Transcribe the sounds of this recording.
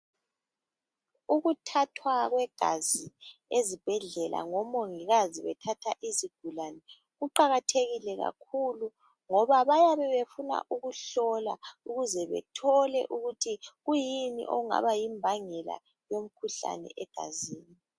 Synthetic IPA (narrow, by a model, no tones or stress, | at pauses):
uɣutʰatʰwaɣwɛɡ̥ʱaziezib̥ʱɛɮɛlʔa̰ŋɔmoŋiɣaziβɛtʰatʰaʔiziɡ̥ʱulanɛ | ɣuǃaɣatʰeɣilɛɣa̰kʰulu | ŋɔβaβajaβɛβefuna̰ʔuɣuɬɔlauɣuzɛβɛ̰tʰɔlɛ̰ʔuɣutʰiɣujinḭʔo̰ɣuŋa̰βajimbʱaŋɛla̰ | jom̩kʰuɬa̰nɛ̰ʔɛɡ̥ʱaziːni